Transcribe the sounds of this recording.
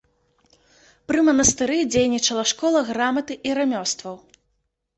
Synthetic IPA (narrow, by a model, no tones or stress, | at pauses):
pɾɨmɐnɐst̪ɨɾɨd͡zʲejnʲit͡ʂɐlˠɐʂkɔlˠɐɣɾamɐt̪ɨʔiɾamʲɔst̪vɐw